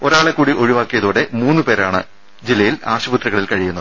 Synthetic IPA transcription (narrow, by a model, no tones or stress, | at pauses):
o̞ɾaːɭekːuːɽiʔo̞ɻiʋaːkːijɐðuːɽe̞muːnːɨpe̞ːɾaːɳɨ | d͡ʑilːɐjila̰ːɕɐbut̪rɐɣɐɭilkɐɻijunːɐð